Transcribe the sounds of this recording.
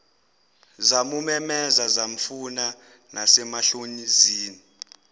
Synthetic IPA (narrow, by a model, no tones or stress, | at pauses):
zamumɛmɛzazam̩funa | nasɛmaɬoɲiziːni